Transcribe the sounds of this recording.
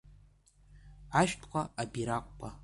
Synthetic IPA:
aʃᶣtʰʼqʷʰʼaabiɾakʷʼpʷʼa

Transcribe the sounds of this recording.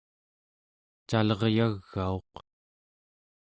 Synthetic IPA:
t͡ʃalʌʁjaɣːao̞q

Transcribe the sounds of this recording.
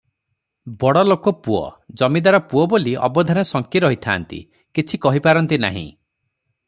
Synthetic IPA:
bɔɽɔlokɔpuɔ̰d͡ʒɔmid̪aɾɔpuɔboliɔ̰bɔd̪ʱanesɔŋkiɾɔɦit̪ʰa̰ːnt̪ḭ | kit͡ʃʰikɔɦipaɾɔnt̪ina̰ɦḭ̃

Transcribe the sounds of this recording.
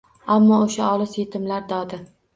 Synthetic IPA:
amːɒoʃaɒlˠɪzjet̪ʰɪmlaɾd̪ɒd̪ɪ

